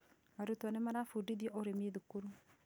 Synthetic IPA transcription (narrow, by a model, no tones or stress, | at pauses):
aɾotɔnɛmaɾafudiðjɔʔoɾemeðukuɾu